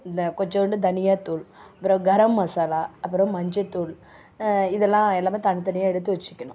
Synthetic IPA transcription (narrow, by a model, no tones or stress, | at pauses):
kɔɲd͡ʒɐ̃ɾɳɖɯd̪ɐnɪjaːt̪ːuːlɐpːɯɾɐ̃ɡɐɾɐmːɐsaːlaːɐpːɯɾɐ̃mɐɲd͡ʒɐt̪ːuːɭ | ɪðɛlːãːɛlːaːmeːt̪ɐnɪt̪ɐnɪjaːɛɽɯt̪ːɯʋɛt͡ʃːɪ̥kʲːɐɳʊ̰̃